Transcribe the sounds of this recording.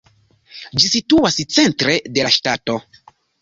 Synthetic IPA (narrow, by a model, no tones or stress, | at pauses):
d͡ʒisituast͡se̞ntɾe̞de̞laʃtato̞